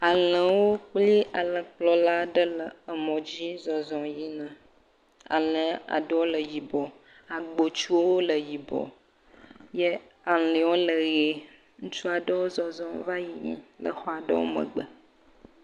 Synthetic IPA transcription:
a˨lə˨wo˦k͡pli˦a˨lə˨k͡plɔ˦la˦ɖə˦lə˨ə˨mɔ̃˨d͡ʑi˦zɔ˨zɔ̃˨ji˦nã˨ | a̰˨lə̃˨a̰˨ɖə˦wo˦lə˨ji˨bɔ˨ | a˨ɡ͡bo˨t͡ʃu˦wo˦wo˦lə˨ji˨bɔ̰˨ | je˦ | a˨e˨wo˦lə˨ɣe˨ | ŋũ˦t͡ʃu˦a˨ɖə˦wo˦zɔ˨zɔ̃˨˦va˦ji˨ɲḭ̃˨lə̰˨xɔ˦a˨ɖə̰˦wo̰˦mə̰̃˨ɡ͡bə˨

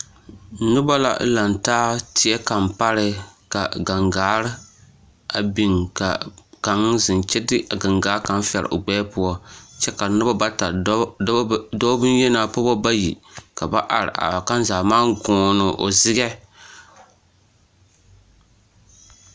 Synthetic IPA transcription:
nʊ˦ba˦la̰˦la˨ntaː˦tɪ˦ɛ˦ka˨mpa˦ɾɨ˦ka˨ɡa˨ŋɡaː˨˦ɾ | a˨bi˦ŋka̰˨ka˨ŋ˦zɨ˨nt͡ʃɛ˦dɨ˦˨ɡa˨ŋɡaː˦ka˨n˦fɛ˨ɾ̰ʔo˨ɡ͡bɛː˦pʊ˦ɔ˦t͡ʃɛ˦ka˨nʊ˦ba˦ba˦ta˨˦ | dɔ˦bɨ˦n˦jɛ˦na˨pʊ˦bɔ˦ba˦ji˨ka˨ba˦ʔa˨ɾɪ̰˨ʔa̰˨ka˦n˦zaː˨maː˦ŋɡɔː˨nɨ˨ʔo̰˨zɪ˦ɡɛ˦

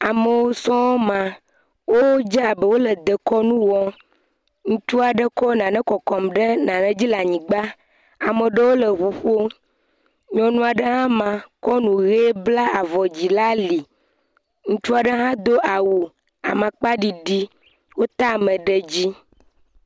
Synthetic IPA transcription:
a˨mə˨wo˦sɔ̃˦wo˦mã˨ | wo˦d͡ʒɛ˦a˨bə˨wo˦lə˨d̪ə˨kɔ˦nũ˦wɔ˦ | ŋũ˦t͡ʃu˦a˨ɖə˦kɔ˦nã˨nɛ̃˦kɔ˨kɔ˨mɖə˦nã˨nɛ̃˦d͡ʑi˦la˨ɲĩ˨ɡ͡ba˦ | a˨mə˨ɖə˦wo˦lə˨ɸu˨ɸo˦ | ɲɔ̃˨nũ˦a˨ɖə˦ɦã˦mã˨kɔ˦nũ˨ɣe˦bla˦a˨vɔ˨d͡ʑi˨la˦li˨ | ŋũ˦t͡ʃu˦a˨ɖə˦ɦã˦d̪o˦ʔa˨wu˨ | a̰˨mã˨k͡pa˦ɖi˨ɖi˦ | wo˦t̪a˦˨mə̃˨ɖə˨d͡ʑi˦

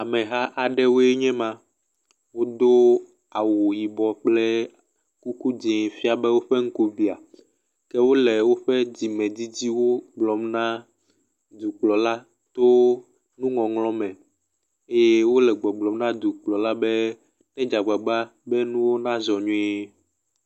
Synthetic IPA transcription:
a˨mɛ̃˨ɦa˦ʔa˨ɖɛ˦wo˦e˦ɲɛ̃˦mã˨ | wo˦d̪o˦ | a˨wo˨ji˨bɔ˨k͡plɛ˦ | ku˦ku˦d͡ʒi˨fi˦a˨bɛ˦wo˦ɸɛ˦ŋ̩˦ko˦vi˨a˨ | kɛ˦wo˦lɛ˨wo˦ɸɛ˦d͡ʑi˨mɛ̃˨d͡ʑi˦d͡ʑi˦wo˦ɡ͡blɔ˨mnã˦ | d̪u˨k͡plɔ˨la˦ | t̪o˦ | nũ˦ŋɔ̃˨ŋlɔ̃˦mɛ̃˨ | e˦je˦wo˦lɛ˨ɡ͡bɔ˨ɡ͡blɔ˨mnã˦d̪u˨k͡plɔ˨la˦bɛ˦ | nɛ̃˦d͡ʒa˨ɡ͡ba˨ɡ͡ba˦bɛ˦nũ˦wo˦nã˦zɔ˨ɲũ˦

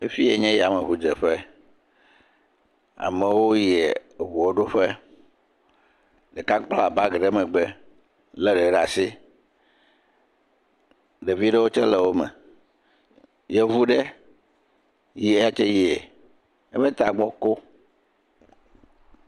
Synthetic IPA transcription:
e˦fi˦je˨ɲɛ̃˦jɛ˨a˨mẽ˨ɸu˦d͡ʒe˨ɸe˦ | a̰˨mẽ˨wo˦jɛ˨βu˨o˦ɖo˦ɸe˦ | ɖe˨ka˦k͡pla˨ba˦ɡɖe˦mɛ̃˨ɡ͡bɛ˦ | le˦le˨ɖa˨si˦ | ɖe˨vi˦ɖe˦wo˦t͡ʃɛ˦le˨wo˦mɛ̰˨ | je˨vu˦ɖe˦ | ji˦e˦ja˦t͡ʃe˦ji˦e˨ | e˦mɛ̃˦t̪a˨ɡ͡bɔ˦ko˦

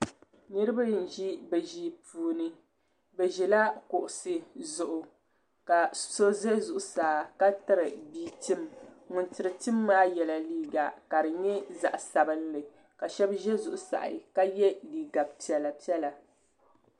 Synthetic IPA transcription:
nɨ˦ɾɨ˦ba˦jɨ˨n̩˨ʒi˦bɛ˨ʒi˨pʰuː˨˦nɨ˦ | bɛ˨ʒɛ˨la˦kʊ˨ʔʊ˨sɨ˦˨zʊ˨ʔʊ˨ | ka˨so˦zɛ˦zʊ˨ʔʊ˨saː˨ka˦ta˦ɾɨ˨biː˦tɨ˦m | ŋʊ˨ntɨ˨ɾɨ˨tɨ˦mːaː˦jɛ˨la˨liː˦ɡa˨ka˨ɾɨ˨ɲɛ˦za̰˨ʔsa˨bɨ˦nlɨ˨ | ka˨ʃɛ˦bʒɛ˦zʊ˨ʔʊ˨sa̰˨ʔɪ̰˨ka˦jɛ˦liː˨ɡa˨bpi˨ɛ˨la˨pi˦ɛ˦la˨

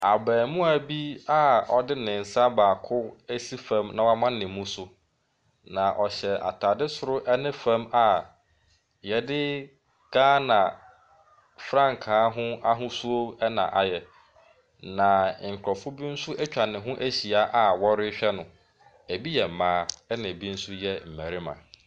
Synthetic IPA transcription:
a˨bɛː˨mʊ̃˦æ˨bi˦a˦ɔ˨dɪ˦nɪ̃˨n̩˨sa˦baː˨kʰʊ˦æ˦si˦fã˦mnã˨wa˦mã˦nɪ̃˨mːũ˦sʊ˦ | nã˨ʔɔ˨ɕɛ˨ʔa̰˨tʰaː˨dɪ˦sʊ˨ɾʊ˦ʔɛ˦nɪ̃˦fã˦ma˨ | jɛ˨dɪ˦ | ɡ̥aː˦nã˨ | fɾã˦˨ŋ˨kʰãː˨˦ɦʊ̃˦a˦ɦʊ̃˦su˦o˦ɛ˦nã̰˨ʔa˨jɛ˨ | nã˨ŋ̩˨kʰʊ˨ɾɔ˨fʊ˦bi˦n̩˦sʊ˦ʔæ˦t͡ɕᶣa˨nɪ̃˨ɦʊ̃˦ʔæ˦ɕi˨a˨˦ʔa˨wɔ˦ɾɪ˦ɕᶣɛ˦nʊ̃˨ | æ˨bi˦jɛ˨m̩˨mãː˦ɛ˦nɪ̃˨bĩ˦n̩˦sʊ˦jɛ˦m̩˨mæ̃˨ɾi˦mã̰˨

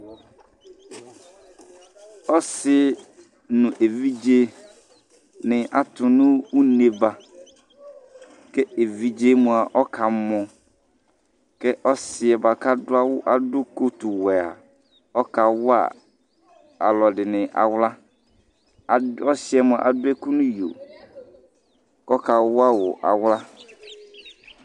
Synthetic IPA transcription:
ɔ˦sɪ˦ | nʊ̃˨ʔe˨vi˦d͡ʒe˦ | nɪ̃˨ʔa˨tʊ˨nʊ̃˦u˦ne˨ba˦ | kɛ˦e˨vi˦d͡ʒe˦mũ˨a˨ʔɔ˦kʰa˨mɔ̃˨ | kɛ˦ʔɔ˦sɪ˨ɛ˨ba˨ka˦dʊ˦a˦wʊ˦ʔa˨dʊ˦ko˦tu˨wɛ˨a̰˨ | ɔ˦ka˨wʊ˦a̰˦˨ | a̰˨lɔ˨dɪ˨nɪ̃˨ʔa̰˨wla˦ | a˨ɔ˦sɪ˦ɛ˨mʊ̃˨ʔa̰˨dʊ˦ɛ˦ku˦nʊ̃˦jo̰˨ | kɔ˦ka˨wʊ˦a˦wɔ˨ʔa̰˨wla˦

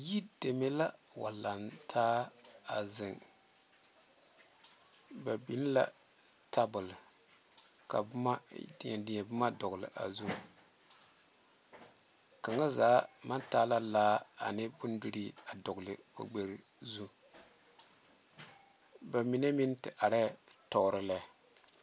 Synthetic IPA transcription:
ji˦de˨me˦la˦wa̰˨la˨ntʰaː˦a˨zɨ˨ŋ | ba˨bi˨˦n˦la̰˦ | tʰa˦bʊ˨l | ka̰˨bma˦ddɪ˨ɛ˨bʊ˦ma˦dɔ˨ɡlɨ̰˨ʔa̰˨zu˦ | ka˨ŋa˦zaː˨˦ma˦ntaː˦la˦laː˦a˨nɨ˦bʊ˦ndu˦ɾi˦a˨dɔ˨ɡʊ˨lɨ˨o̰˨ɡ͡be˨ɾ | zu˦ | ba˨mi˨˦na˦mi˦n˦tɨ˨ʔa˨ɾɛ˦tɔ˨˦ɾɨ˦la˦

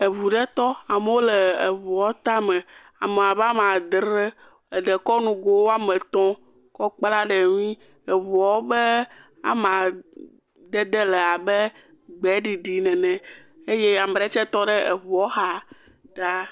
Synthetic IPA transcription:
e˨βu˨ɖɛ˦t̪ɔ˦a˨me˦wo˦le˨e˨vu˨ɔ˨˦t̪a˦mɛ̃˨ | a˨me˨a˨ba˦mã˨d̪ɾe˦ | e˨ɖɛ˨kɔ˦nũ˨ɡo˦wo˦a˦mẽ˨t̪ɔ̃˦ | kɔ˦k͡pla˦ɖe˨nũ˦ĩ˦ | e˨vɔ˨˦wo˦bɛ˦ | a̰˦mã˨ | d̪e˦d̪ɛ˦lɛ˨a˨bɛ˦ | ɡ͡bɛ˨˦ɖi˨ɖi˨nɛ̃˨nɛ̃˨ | e˦je˦˨a˨m˨ɖɛ˦t͡ʃɛ˦t̪ɔ˦ɖɛ˦e˨vu˨ɔ˦ɦa˨ | ɖa˦

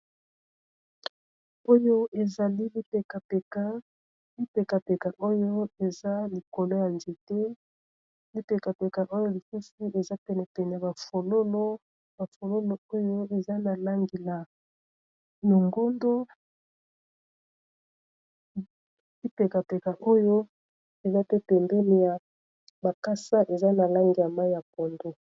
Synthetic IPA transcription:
o˦jo˦ʔe˨za˨li˦li˦pe˨ka˨pe˨ka˨˦ | li˦pe˨ka˨pe˨ka˨ʔo˦jo˦e˨za˦li˨ko˨lo˦ja˨nd͡ʒe˨te˦ | li˦pe˨ka˨pe˨ka˨ʔo˦jo˦li˨su˦si˦e˨za˦pɛ˨nɛ˨pɛ˨nɛ˨a˨ba˨fo˨lo˦lo˦ | ba˨fo˨lo˦lo˦o˦jo˦e˨za˦na˨la˦ŋɡi˨la˨ | no˨ŋɡo˦ndo˦ | i˦pe˨ka˨pe˨ka˨ʔo˦jo˦ | e˨za˦tɛ˦pɛ˨mbɛ˦li˨ja˨ | ba˨ka˦sa˦ʔe˨za˦na˨la˦ŋɡi˨ja˨ma˦i˦ja˨p̚o˨ndo˦

